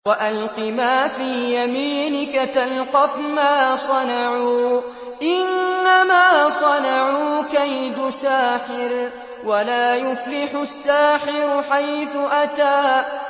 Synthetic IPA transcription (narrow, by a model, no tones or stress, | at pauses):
waʔalqɪmaːfiːjamiːnɪkat̪alqɑfmaːsˤɑnɑʕuː | ʔɪnːamaːsˤɑnɑʕuːkajd̪ʊsaːħɪɾ | walaːjʊflɪħʊsːaːħɪɾʊħajθʊʔat̪aː